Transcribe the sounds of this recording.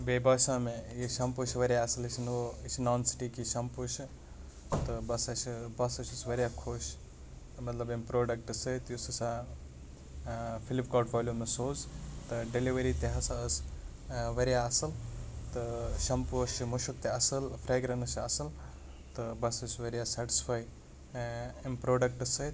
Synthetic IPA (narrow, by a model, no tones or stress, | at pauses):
bebɐʃãːmejiʃɐmpuʃiʋɐɾjaɐsɐlit͡ʃʰinoit͡ʃʰinaːnsi̥ʈikiʃɐmpuʃi | t̪ɨbɐsɐt͡ʃʰibɐsɐt͡ʃʰusʋɐɾjakʰoːʃ | mɐt̪lɐbempɾoːɖɐk̚ʈɨsət̪jusɐsa | pʰilipkoːʈfoːljumesoːzt̪ɨɖeliʋɐɾit̪eɦɐsaəs | ʋɐɾjaɐsɐlt̪ɨʃɐmput͡ʃimuʃuk̚t̪eɐsɐlpʰɾaːɡɾɐnɐsɐsɐl | t̪ɨbɐsɐt͡ʃʰʋɐɾijasaʈi̥spʰaːj | impɾoːɖɐk̚ʈɐsəjt̪